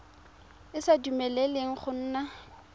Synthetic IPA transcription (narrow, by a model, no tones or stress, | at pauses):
ɪsadumɛlɛleŋ̩χʊn̩ːna